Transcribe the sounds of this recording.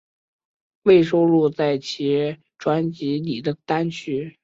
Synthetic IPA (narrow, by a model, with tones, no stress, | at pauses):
we˥˩ɪʂo˥ʊlu˥˧t͡sa˥˩ɪt͡ɕʰi˧˥ | ʈ͡ʂwa˧˥nt͡ɕi˧˥li˨˩d̪ə˦t̪a˥nt͡ɕʰy˥